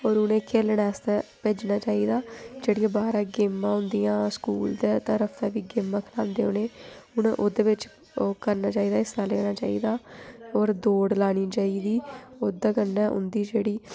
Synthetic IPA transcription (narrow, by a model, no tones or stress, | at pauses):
oːɾʊnẽːkʰeːlɳɛːst̪ɛːpeːd͡ʒnaːt͡ʃaːiːd̪aːd͡ʒeːɽɪjãːbaːɾãːɡɪːmːãːɦʊnd̪ijãːskuːld̪eːt̪əɾəfʰɛːʋiːɡɪːmːãːkʰlãːnd̪eːʊnẽːʊnʔoːd̪eːʋɪt͡ʃː | kəɾnaːt͡ʃaːiːd̪aːɪsaːlɛːɽ̃aːt͡ʃaːḭːd̪aːoːɾd̪oːɽlaːɽ̃iːt͡ʃaːiːd̪iːoːd̪aːkənːɛːʔʊ̰nd̪iːd͡ʒeːɽiː